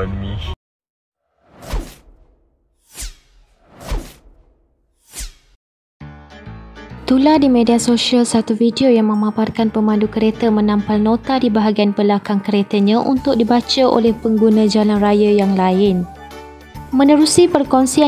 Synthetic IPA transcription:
t̪uladimẽdiasoʃialsat̪ufidiojaŋmə̃mãparkanpəmãndukəɾet̪əmə̃nãmpalnõt̪adibaɦaɡianpəlakaŋkəɾet̪əɲãʔṵnt̪ʊk̚dibat͡ʃəʔo̰lɛhpəŋɡunãd͡ʒalanrajəjaŋlaɪn | mə̃nəɾusipərkɔnsia

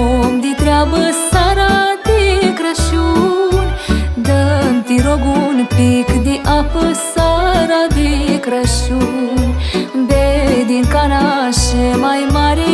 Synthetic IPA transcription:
md̪it̪ɾapsaɾat̪ikɾəʃu | d̪ɐnt̪iɾoɡunpikd̪iʔapsaɾad̪ikɾɐʃu | bed̪ikanaʃemajmaɾi

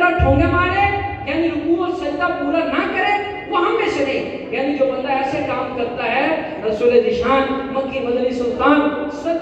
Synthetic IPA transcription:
aʈʰõːnemaːɽejaːniɾʊkũɔːsɐnt̪apuːɾanɐkɐɾe | ʋɐɦãmẽsɐnẽ | jaːnid͡ʒoːbɐ̃nd̪aɛsekaːmkɐɾt̪aɦɛ | nɐsoled̪ɪʃaːnmɐ̃kimɐd̪nisɐ̃nt̪aːnsɐ

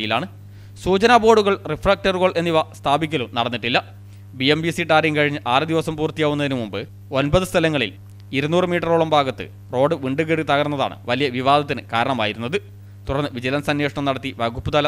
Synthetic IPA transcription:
jilaːɳɨ | suːt͡ɕɐnabo̞ːɽuɣɐɭrifrɐk̚ʈɐrɣoɭe̞nːiʋɐst̪ʰaːbikʲːɐlunɐɽɐnːiʈːilːɐ | biembisiʈaːɾiŋkɐɻiɲːɨʔaːrɨd̪iʋɐsɐmpuːrt̪ːijaːʋunːɐðinɨmumbɨ | o̞nbɐðɨst̪ʰɐlɐŋːɐɭḭl | iɾunːuːrɨmiːʈːɐroːɭɐmbʱaːɡɐt̪ːɨ̰ | ro̞ːɖɨʋiɳɖɨɣiɽɨt̪ɐɣɐɾnːɐða̰ːɳɨ̰ʋɐlijɐʋiʋaːd̪ʱɐt̪ːinɨkaːɾɐɳɐmaːjiɾunːɐðɨ | t̪uɾɐrnːɨʋid͡ʑilɐnsɐnjeːʂɐɳɐmnɐɽɐt̪ːiʋɐɡupːɨt̪ɐlɐ

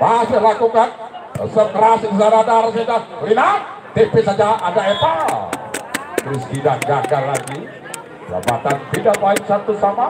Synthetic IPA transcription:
masɪhlakukansəkɾassaɾadaɾasedahrinak̚ | d̪epesad͡ʒaʔadaɛp̪a | t̪ɾʊskidaʔɡaɡalːaɡi | d͡ʒa̰ba̰t̪ant̪idaʔbaɪnsat̪usama

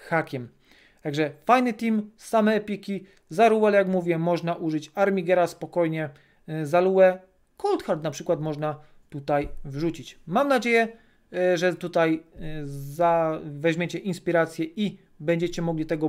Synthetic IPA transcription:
xakʲɛm | t̪aɡʐɛfajnɘt̪ʲimsamɛːpʲekʲi | zaɾuwɛljakmuvʲjɛmɔʐnaʔuʐɘt͡ɕaɾmʲiɡɛɾaspɔkɔjɲɛ | zaluwɛ | kɔlt̪xaɾt̪napʂɘkwat̪mɔʐna | t̪ut̪ajvʐut͡ɕit͡ɕmamnad͡ʑejɛ | ʐɛt̪ut̪aj | zavɛʑmʲet͡ɕɛʔinspʲiɾat̪sʲjɛi | bɛɲd͡ʑɛt͡ɕɛmɔɡlʲit̪ɛɡɔ

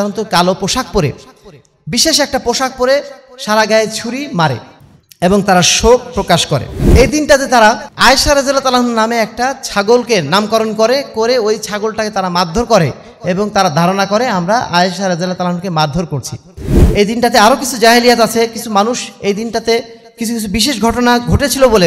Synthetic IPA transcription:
aɾont̪okalopoʃak̚poɾe | biʃeʃɛk̚ʈapoʃak̚poɾeʃaɾaɡaet͡ɕʰuɾimaɾḛ | eboŋt̪aɾaʃok̚pːɾokaʃkoɾḛejd̪inʈat̪et̪aɾaaeʃaɾed͡ʑelat̪alaɦunnameɛk̚ʈat͡ɕʰaɡolkenamkɔɾonkoɾekoɾeojt͡ɕʰaɡolʈaket̪aɾamad̪ʱoɾkoɾe | eboŋt̪aɾad̪ʱaɾonakoɾeamɾaʔaeʃaɾad͡ʑelat̪alaɦunkemad̪ʱoɾkoɾt͡ɕʰḭ | ejd̪inʈat̪eaɾokit͡ɕʰud͡ʑaɦelijatat͡ɕʰekit͡ɕʰumanuʃejd̪inʈat̪e | kit͡ɕʰukit͡ɕʰubiʃ̬eʃ̬ɡʱɔʈonaɡʱoʈet͡ɕʰilobole

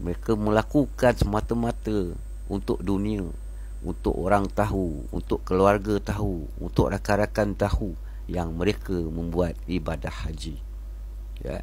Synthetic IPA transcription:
məɾekəmə̃lakukansəmãt̪əmãt̪ə | unt̪ʊʔ̚dunĩə | unt̪ʊ̰ʔoɾaŋt̪aɦu | ṵnt̪ʊʔkəluarɡət̪aɦu | ṵnt̪ʊʔ̚rakaɾakant̪ahu | jaŋmə̃ɾekəmə̃mbuat̪̚ibadahːad͡ʒi | ja̰

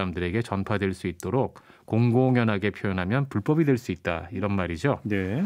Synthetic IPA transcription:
amdɯɾe̞ɡe̞t͡ɕʌnpʰadwe̞ɭs͈uit̚t͈oɾok̚k͈ːoŋɡoŋjʌnɦaɡe̞pʰjojonɦamjʌnpuɭp͈ʌbidwe̞ɭs͈uit̚t͈a̰iɾʌnmaɾid͡ʑone

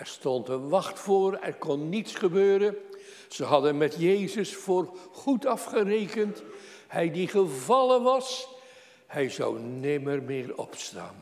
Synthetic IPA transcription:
ɛɹstɔntənʋɑχtfʊːrɛ̰rkɔnːitsχəbøːɾən | z̥əɦɑdənmɛtjejzəsfʊːrχutɑfχərejkənt | hɛjdiχəvɑlənʋɑs | hɛjzɑ̰wnɪmərmɪːɹɔ̰psta̰ːn

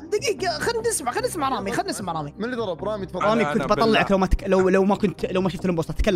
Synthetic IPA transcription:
d̪ɪɡiɡxand̪ɪsmaʕxanːɪsmaʕɾˤɑːmixanːɪsmaʕɾˤɑːmimɪlːid̪ˤɑɾˤɑbɾˤɑːmit̪ɾˤɑːmikʊnt̪bɑt̪ˤɑlːɑʕaklawmat̪klawlawmakʊnt̪lawmaʃʊft̪ɪlʔɪmboːsˤt̪ːˤɑt̪kalː

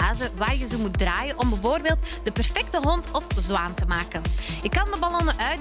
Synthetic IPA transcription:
aːzəʋaːrjəzomut̚draːjənʔɔmbɛvoːrbeːlˠtd̥əpɛrfɛk̚təɦɔntɔfzʋaːntəmaːkənjəkɑndəbalɔnəʔœɥ

